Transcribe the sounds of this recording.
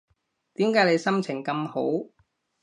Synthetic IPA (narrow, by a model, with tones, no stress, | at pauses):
t̪iː˨˥mkaː˨˥jle˨˧jsɐ˥mt͡sʰɪ˨˩ŋkɐ˧mho˨˥w